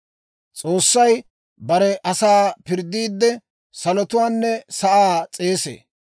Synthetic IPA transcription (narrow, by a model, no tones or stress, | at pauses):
t͡sʼo̞ːsːɐj | bɐɾɛʔɐsaːpɪɾd̪ːiːd̪ːɛ | sɐlɔt̪ʊwaːnːɛsɐʔaːt͡sʼe̞ːsḛː